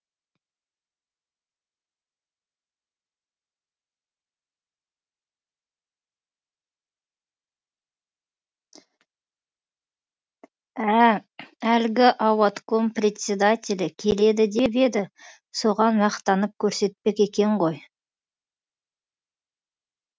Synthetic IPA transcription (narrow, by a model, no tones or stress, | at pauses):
æ | ælɡʲɪʔɑwɑt̪ko̞mprʲet̪sʲe̞d̪at̪ʲelɪkʲʰe̞le̞d̪ɪd̪e̞be̞d̪ɪ | so̞ʁɑnmɑqt̪ɑnəp̚kʲʰɵɾse̞t̪̚pe̞kʲe̞kʲe̞ɴʁo̞j